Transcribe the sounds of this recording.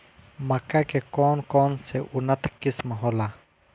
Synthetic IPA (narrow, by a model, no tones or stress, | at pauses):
mɐkakekoːnkonseʔunət̪ʰkismɐɦoːla